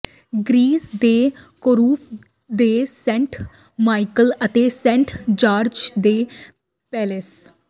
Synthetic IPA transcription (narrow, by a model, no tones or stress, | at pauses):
ɡɾiːsd̪eːkoːɾuːpʰ | d̪eːsɛ̃ːɳʈ | maːikələt̪eːsɛ̃ːɳʈd͡ʒaːɾd͡ʒd̪eː | pɛːles